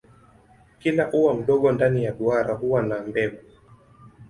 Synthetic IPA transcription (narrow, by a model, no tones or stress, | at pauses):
kilaʔuwam̩ɗɔɠɔndanijaɗuaɾahuwanambɛɡu